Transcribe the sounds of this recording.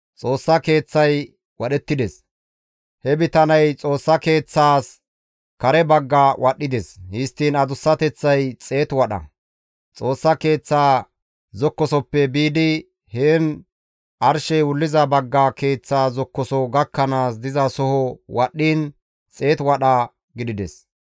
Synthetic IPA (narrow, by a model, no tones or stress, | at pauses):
t͡sʼo̞ːsːɐke̞ːt͡sːɐj | wɐɗɛt̪ːɪd̪ɛs | hɛbɪt̪ɐnɐjt͡sʼo̞ːsːɐke̞ːt͡sːaːs | kɐɾɛbɐɡːawʔɐɗːɪd̪ɛshɪst̪ːiːnɐd̪ʊsːɐt̪ɛt͡sːɐjt͡sʼe̞ːt̪wɐɗɐ̰ | t͡sʼo̞ːsːɐke̞ːt͡sːaː | zɔkːɔsɔpːɛbiːd̪ɪ | heːn | ʔɐɾʃɛjwʊlːɪzɐbɐɡːake̞ːt͡sːaːzɔkːɔsɔɡɐkːɐnaːsd̪ɪzɐsɔhɔwɐɗːiːn | t͡sʼe̞ːt̪wɐɗɐ | ɡɪd̪ɪd̪ɛs